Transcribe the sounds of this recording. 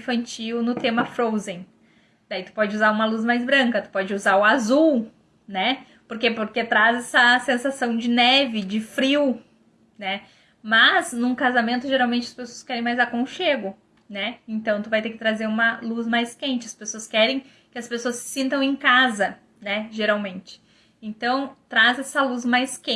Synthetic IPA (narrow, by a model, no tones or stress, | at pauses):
fɐ̃nt͡ʃiwnʊt̪ẽmɐfɾowzẽj̃ | d̪̥ait̪u̥pɔd͡ʒɪuzaɾũmɐluzmajzbɾɐ̃kɐt̪ʊ̥pɔd͡ʒɪuzaɾʊazuw | nɛ | poɾkepoɾket̪ɾazɛsɐsẽsasɐ̃w̃d͡ʒɪnɛvɪd͡ʒɪfɾiw | nɛ | mɐznũkazamẽnt̪ʊʒeɾawmẽnt͡ʃɪɐspesoɐskɛɾẽj̃majzakõʊʃeɡʊ | nɛẽnt̪ɐ̃w̃t̪uʊvajt̪eɾkɪ̥t̪ɾazeɾũmɐluzmajskẽnt͡ʃɪɐspesoɐskɛɾẽj̃ | kɪɐspesoɐsɪ̥sĩnt̪ɐ̃w̃ẽkazɐ | nɛʒeɾawmẽnt͡ʃɪ̥ | ẽnt̪ɐ̃w̃t̪ɾazɛsɐluzmajskẽ